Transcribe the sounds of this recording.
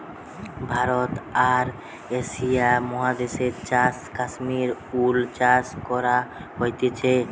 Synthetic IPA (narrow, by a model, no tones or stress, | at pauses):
bʱaɾot̪aɾ | eʃijamɔɦad̪eʃeɾt͡ɕaskaʃmiɾult͡ɕaskɔɾaɦojt̪et͡ɕʰe